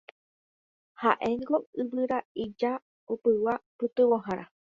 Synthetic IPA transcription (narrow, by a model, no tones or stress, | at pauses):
haʔe̞ŋɡoɨβɨɾaid͡ʒa | opɨwapɨt̪ɨwoɦãɾʔa